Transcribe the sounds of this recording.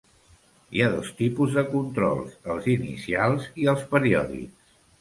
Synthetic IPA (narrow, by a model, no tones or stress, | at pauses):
iaðɔst̪ipuzðəkunt̪ɾɔ̰lˠsəlˠzinḭsialˠziəlˠspəɾiɔðḭks